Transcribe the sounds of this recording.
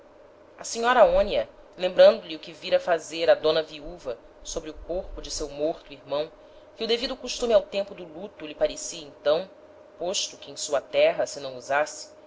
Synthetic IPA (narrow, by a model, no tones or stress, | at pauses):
ɐsiɲɔɾɐaõniɐ | lẽmbɾɐ̃nd̪ʊlɪʊkɪviɾɐfazeɾɐd̪õnɐviuvɐ | sobɾɪʊkoɾpʊd͡ʒɪsewmoɾt̪ʊiɾmɐ̃w̃ | kɪʊd̪evid̪ʊkuʃt̪ũmɪawt̪ẽmpʊd̪ʊlut̪ʊlɪpaɾesiɐẽt̪ɐ̃w̃ | poʃt̪ʊkɪẽj̃suɐt̪ɛɦɐsɪnɐ̃w̃uzasɪ̥